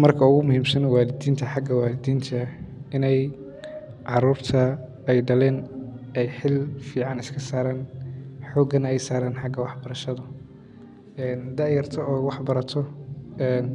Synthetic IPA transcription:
mɐrkʰɐʊɣʊmʊhiːmsɐnwaːlɪd̪iːnt̪ʰɐħɑɡɐwaːlɪd̪iːnt̪ʰɐɪnɛj | ʕɑruːrt̪ʰɐ | ɛjɖɐlɛːnɛjħɪlfiːʕɑnɪskʰɐsaːɾaːnħɔːɡɐnɛjsaːɾaːnħɑɡɐwɑħbɐɾɐʃɐðɐ | ɛːnd̪ɐjɐrt̪ʰɔɔːwɑħbɐɾɐt̪ʰɔɛːn

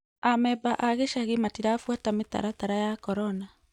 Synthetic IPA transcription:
amɛbaʔaɣeʃaɣematiɾafwatameta̰ɾataɾajakɔɾɔna

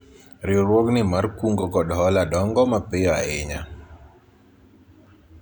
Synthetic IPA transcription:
ɾɪoɾwɔknɪmarkuŋɡɔkɔdɦɔladɔŋɡɔmapɪjɔa̰ɪɲa

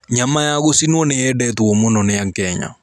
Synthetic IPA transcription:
ɲamajaɣosinwɔnɛɛdɛtwɔmonɔnɛjakɛɲa̰

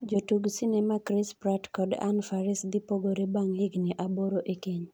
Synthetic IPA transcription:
d͡ʒotuɡsinɛmakɾɪspɾatkɔda̰nfaɾɪsd̪ɪpoɡoɾebaŋlɪɡnɪʔaboɾoʔekiɲ

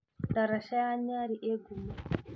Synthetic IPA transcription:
t̪aɾaʃajaɲaɾiʔeɡuma

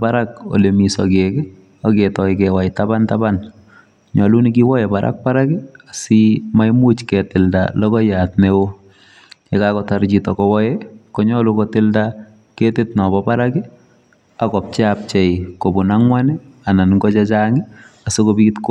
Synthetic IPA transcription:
paɾako̰lemisɔk̬ekɪ | aketɔik̬ɛwajtabantaban | ɲɔlunik̬iwɔjɛpaɾʔa̰k̚paɾakɪasimajmut͡ʃkɛtɪlda̰lɔkɔjatnewo | jɛkakɔtart͡ʃitɔkɔwɔjɛkɔɲɔlukotɪlda | ketɪtnɔbɔpaɾakɪ | akɔp̚t͡ʃɪap̚t͡ʃɛikobʊnaŋwanɛananŋɡɔt͡ʃɛt͡ʃaŋɪasokobikɪtk

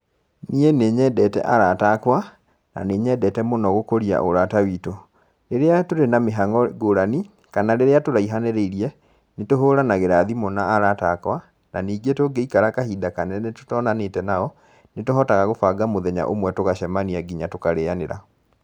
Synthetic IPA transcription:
nieneɲɛːdɛtɛ̰ʔaɾatakwa | na̰neːɲɛːdɛtɛmonɔɣokoɾia̰ʔoɾatawiːto | ɾeɾeatoɾenameɦaŋɔɡoɾani | kanaɾeɾeatoɾaiɦaneɾeiɾiɛ | netoɦoːɾanaɣeɾaðimɔnaːɾatakwa | naniːɡetoɡeikaɾakahidakanɛneto̥tɔːnanetɛnaɔ | netoɦɔtaɣaɣofaːɡamoðɛɲa̰ʔo̰mwɛtoɣaʃɛmaniaɡiɲatokaɾeaneɾa̰

